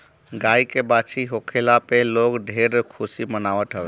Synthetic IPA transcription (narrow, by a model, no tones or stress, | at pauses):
ɡaikebat͡ʃʰiɦokʰelapeloɡɖʱeɾkʰusimənaʋət̪ɦəbɛ